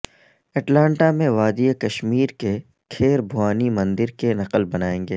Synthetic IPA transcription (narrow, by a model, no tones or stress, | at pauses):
ɛʈlãːɳʈamẽʋaːd̪ijekɐʃmiːɾke | kʰeːɾbʱʊaːnimɐ̃nd̪ɪɾkenɐqəlbɐnaːẽːŋɡeː